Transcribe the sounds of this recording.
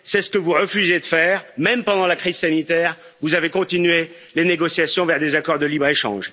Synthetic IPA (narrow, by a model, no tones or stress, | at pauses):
sɛsə̥kəvuʁəfyzed̪əfɛːʁmɛmpɑ̃d̪ɑ̃lakχizsanit̪ɛːʁ | vuzavekɔ̃t̪inɥe | leneɡɔsjasjɔ̃vɛʁd̪ezakɔʁd̪əlibʁeʃɑ̰̃ʒ